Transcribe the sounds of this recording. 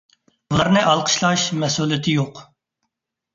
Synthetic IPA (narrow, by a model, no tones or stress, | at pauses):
ulˠɑɾnɨʔɑlˠqʰə̥ʃlˠɑʃmɛsulˠɪt̪ʰɪjoq